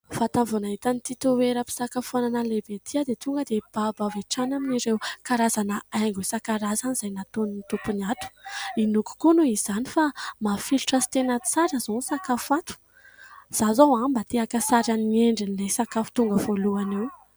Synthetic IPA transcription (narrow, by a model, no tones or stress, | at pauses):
fat̪avonaɦit̪anit̪it̪uweɾəpi̥sakafananalebet̪ʰiad̪et̪uŋɡəd̪eb̥abaveʈ͡ʂanaminiɖ͡ʐewkaɾazanəajŋɡwesakaɾazaniz̥ajnat̪oninit̪upunat̪u̥inuku̥kunuiz̥anifamafiluʈ͡ʂasi̥t̪enat͡saɾazonsakafat̪u̥ | z̥azawambat̪eakəsaɾaninieɳɖ͡ʐinilesakafu̥t̪uŋɡəvoluanew